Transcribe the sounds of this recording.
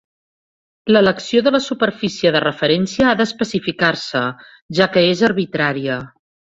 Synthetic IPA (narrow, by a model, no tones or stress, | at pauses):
lələksioðələsupəɾfisiəðərəfəɾɛnsiəaðəspəsifikarsə | ʒakəezəɾβit̪ɾaɾiə